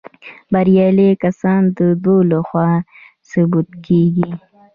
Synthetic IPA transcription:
baɾijɑlekasɑːnd̪əd̪olaxwɑ | subut̪keɡi

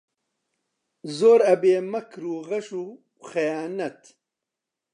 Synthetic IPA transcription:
zoːɾɐbeːmɐkʰɾuːɣɐʃuː | xɐjaːnɐt̪

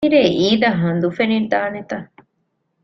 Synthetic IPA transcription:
iɾeːʔiːd̪ɐɦɐnd̪ufenid̪aːnet̪ɐ

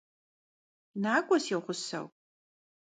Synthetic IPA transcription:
naːkʷʼɔsiʁʷʊsɐ̰w

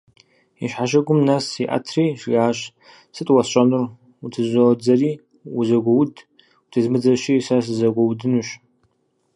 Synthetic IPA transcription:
iʃħaʃ̬ɐɡʷʊmnasiʔa̰tʰriːʃɡaːɕ | sɨtʼwasɕʷʼɐnɨr | utʰɨzʷod͡zɐriː | wuzɐɡʷɐwd | utʰɨzmɨd͡zɐʃisas̬ɨzɐɡʷɐwdɨnuɕ

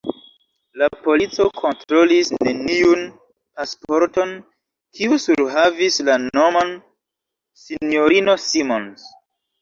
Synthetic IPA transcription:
lapo̞lit͡so̞kʰo̞ntɾo̞lisne̞niun | paspo̞ɾto̞n | kʰiusuɾɦavislano̞man | sinoɾino̞simons

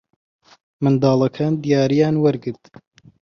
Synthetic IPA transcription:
mɨnd̪ɑːlˠɐkʰaːnd̪ijaːɾijaːnwɐɾɡɨɾt̪

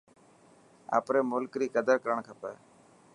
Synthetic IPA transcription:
a̰ːpɾeːmʊlkɾiːkəd̪əɾkəɾəɳkʰəpɛː

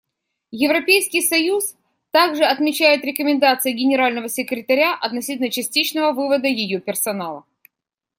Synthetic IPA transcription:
jɪvɾɐpʲejskʲɪjsɐjus | t̪aɡʐɨɐt̪mʲɪt͡ɕæjɪt̪ɾʲɪkəmʲɪnd̪at̪sɨjɪɡʲɪnʲɪɾalʲnəvəsʲɪkɾʲɪt̪ɐɾʲaʔɐt̪nɐsʲitʲlnət͡ɕɪsʲtʲit͡ɕnəvəvɨvəd̪əjɪjopʲɪrsɐnalˠə̰

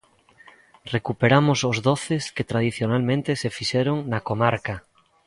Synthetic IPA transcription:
rekupeɾamosozðoθesket̪ɾað̞iθjonalmẽnt̪esefiʃeɾoŋnakomaɾka

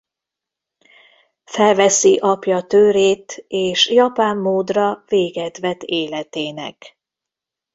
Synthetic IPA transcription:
fɛlvɛsiʔɒpjɒt̪øːɾeːt̪eːʃjɒpaːmːoːd̪rɒveːɡɛt̪ʋɛt̪eːlɛt̪eːnɛ̰k

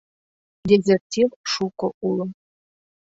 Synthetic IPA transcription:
dezertʰivʂukʷʼɔʔulə

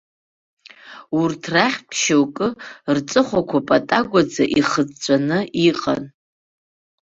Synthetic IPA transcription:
urtʰraχʲpʰʃawkʼɨrt͡sʼɨχʷakʷʰapʼatʼaɡʷad͡zaʔiχəd͡zt͡ɕʷʼanɨiqʼa̰n

